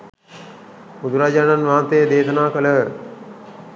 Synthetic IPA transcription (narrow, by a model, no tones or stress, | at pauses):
mud̪uɾaːd͡ʒaːnanʋaːnt̪ejəd̪eːt̪ənaːkələ